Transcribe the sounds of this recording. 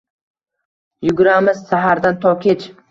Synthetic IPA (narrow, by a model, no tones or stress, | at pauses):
jʊɡʲʊɾamɪzsaɦaɾd̪ant̪ʰɒwkʲe̞t͡ʃ